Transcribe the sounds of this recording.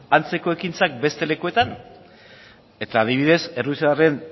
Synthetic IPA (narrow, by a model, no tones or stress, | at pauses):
ant͡se̞ko̞e̞kint͡sak̚be̞st̪e̞le̞kue̞t̪an | e̞t̪aːðiβ̞iðe̞se̞ruiseðare̞n